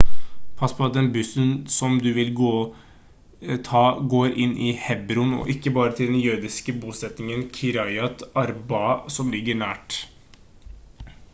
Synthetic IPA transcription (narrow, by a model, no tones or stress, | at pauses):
pʰɑspʰɔd̪ɛnbʏsənsɔmd̪ʉʋɪlɡoː | t̪ʰɑːɡoːɾʔɪnːʔɪhɛbɾʊnɔ̰ʔɪkːəbɑːɾət̪ʰɪld̪ɛnjøːd̪ɪskəbuːsɛt̪nɪŋənkʰɪɾɑɪɑt̪ɑɾbɑsɔmlɪɡːəɳæːʈ